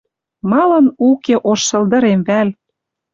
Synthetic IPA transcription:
mɑlɤ̆nukeʔoʃːɤ̆ld̪ɤ̆ɾemβæl

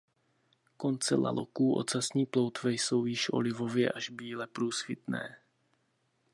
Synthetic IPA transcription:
ko̞nt͡sɛ̰la̰lo̰kuːʔo̰t͡sasɲiːplo̞wt̪vɛjso̞wjɪʃʔo̰lɪvo̞vjɛʔaʒbiːlɛpɾuːsfɪt̪nɛ̰ː

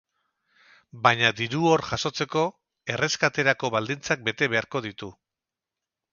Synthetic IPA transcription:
baɲad̪iɾuoɾʝaso̞t͡se̞ko̞ | e̞re̞skat̪e̞ɾako̞βald̪int͡sak̚be̞t̪e̞β̞e̞aɾko̞ðit̪u

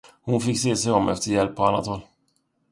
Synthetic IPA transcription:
hʊnfɪkːseːsɛjɔmʔɛ̰ft̪əɾjɛlpːɔanːat̪hɔlː

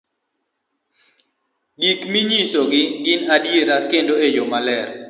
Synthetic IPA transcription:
ɡikmiɲisoɡɪɡɪnadjeɾakendoejomalɛɾ

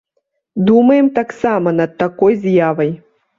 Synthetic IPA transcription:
d̪umɐjɛmt̪aksamɐnɐt̪̚ːakɔjzjavɐj

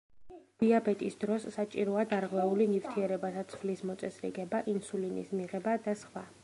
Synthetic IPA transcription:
d̪̥iabɛt̪ʼisd̪ɾɔsːat͡ʃʼiɾɔad̪aɾʁwɛulinift̪ʰiɛɾɛbat̪ʰat̪sʰflismɔt̪sʼɛsɾḭɡɛbaʔinsulinḭsmiʁɛbad̪asχwa̰

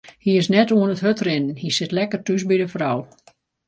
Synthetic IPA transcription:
hiɪsnɛtuənətɦøtrɪnənhisɪtlɛkərtysbidəfraw

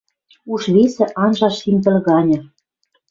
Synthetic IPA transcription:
uʃβesĕʔɑnʒɑʃsimt̪ɘ̆lɣɑnʲɤ̆

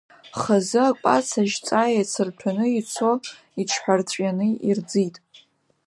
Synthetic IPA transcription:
χazɨakʷʼa̰t͡sʰaʒt͡sʼajat͡sʰɨrtʰanɨit͡sʰo | iʈ͡ʂʰħʷᶣart͡sʷʼjanɨird͡zitʼ

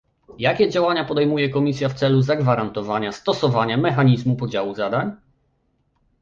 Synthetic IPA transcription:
jakʲɛd͡ʑawaɲapɔd̪ɛjmujɛkɔmʲisʲjaft̪sɛluzaɡvaɾant̪ɔvaɲast̪ɔsɔvaɲamɛxaɲizmupɔd͡ʑawuzad̪aɲ

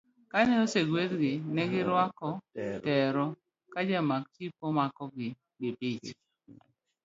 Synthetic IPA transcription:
kanɛoseɡwet̪ɡɪnɛɡɪɾwakɔtɛɾɔ | kad͡ʒamak̚t͡ʃipomakɔɡɪ | ɡɪpit͡ʃ

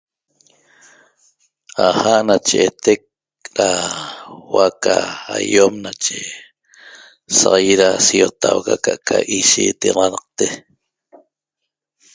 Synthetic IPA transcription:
ahaʔnat͡ʃeʔet̪ek̚ | ɾa | wakaajomnat͡ʃe | sɑʁɑjiɾasiot̪ʰawkakaʔkʰaʔiʃit̪iʁɑnɑq̚t̪e

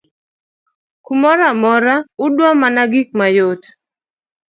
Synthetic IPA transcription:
kumɔɾamɔɾaʊdwamanaɡɪk̚majot

